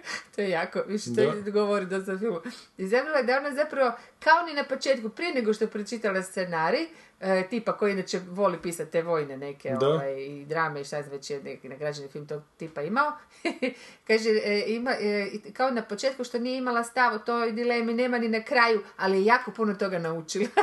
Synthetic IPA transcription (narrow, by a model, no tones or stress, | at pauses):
t̪ojejaːkoʋiʃt̪od̪ɡoʋoɾid̪ost̪afilˠmizamilaed̪aonazapɾaʋo̞kaoninapo̞t͡ʃeːt̪kupɾije̞neɡoʃt̪opɾot͡ʃit̪alast̪senaːɾi | t̪ipakojiinat͡ʃeʋo̞lipiːsat̪̚ʲt̪ːeʋo̞jnene̞keoʋajid̪ɾaːmeiʃt̪aʋet͡ɕjeneknaɡɾad͡ʒanifilˠmt̪oɡt̪ipaimao | kaːʒeimakaonapot͡ʃe̞ːt̪kuʃt̪o̞nijeimalast̪aʋot̪ojd̪ile̞mine̞ːmaninakɾaːjualijejaːko̞punot̪o̞ɡanaut͡ʃilˠa